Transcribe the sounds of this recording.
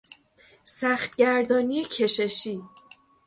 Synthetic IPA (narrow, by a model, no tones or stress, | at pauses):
sæxt̪̚ɟæɾd̪ɒːniecʰe̞ʃeʃiː